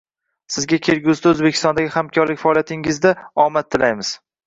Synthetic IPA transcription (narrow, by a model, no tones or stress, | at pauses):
sɪzɡʲakʲʰe̞ɾɡʲʊzd̪aɵzbekʲɪ̥st̪ɒnd̪aɡʲɪhamkʲʰɒɾlɪkʲfaɒːlijat̪ʰɪŋɪzd̪aɒmat̪ʰːɪlajmɪz̥